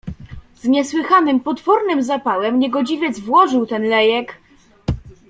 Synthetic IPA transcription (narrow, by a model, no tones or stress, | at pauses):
zɲɛswɘxanɘmpɔt̪fɔɾnɘmzapawɛmɲɛɡɔd͡ʑivʲjɛd̪zvwɔʐɘwt̪ɛnlɛjɛk